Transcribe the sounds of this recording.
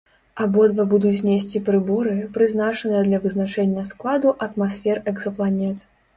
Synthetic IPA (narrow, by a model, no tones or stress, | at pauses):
ɐbɔd̪vɐbud̪ut͡sʲzʲnʲesʲt͡sʲipɾɨbɔɾɨpɾɨznat͡ʂɐnɨjɐd̪lʲɐvɨznat͡ʂɛnʲːɐsklˠad̪uʔɐt̪masʲfʲɛrɛɡzɐplˠanʲɛt̪